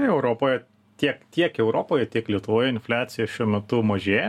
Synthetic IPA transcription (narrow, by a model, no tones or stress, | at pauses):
ɛʊɾoːpoːjɛ | t̪ʲiɛkt̪ʲiɛkɛʊɾoːpoːjɛt̪ʲiɛklʲiɛt̪ʊʋoːjɛɪnʲfʲlʲæːt̪sʲɪjɛʃʲuɔmʲɛt̪ʊmɐʒʲeːjɛ